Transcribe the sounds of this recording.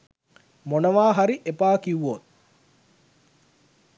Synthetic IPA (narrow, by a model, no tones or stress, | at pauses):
monɐʋaːɦaɾiʔepaːkiʋuot̪